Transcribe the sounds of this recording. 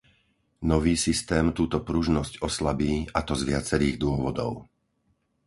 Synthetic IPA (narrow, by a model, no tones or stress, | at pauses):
nɔʋiːsist̪ɛːmt̪uːt̪ɔpɾuʒnɔscɔslabiːat̪ɔzʋɪat͡sɛɾiːɣd̪ʊɔʋɔd̪ɔ̰ʊ